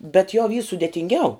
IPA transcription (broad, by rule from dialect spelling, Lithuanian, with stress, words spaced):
bʲɛt jɛʊ ʋʲiː sʊdʲeːtʲɪŋʲˈɡʲɛʊ